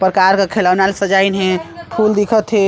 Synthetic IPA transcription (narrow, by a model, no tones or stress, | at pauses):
pɾəkaɾkekʰelawnalsəd͡ʒainɦẽpʰuld̪ikʰət̪ɦe